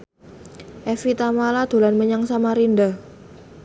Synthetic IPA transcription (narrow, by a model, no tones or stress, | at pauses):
ʔɛfit̪amalad̪̥o̤lanməɲaŋsamaɾinda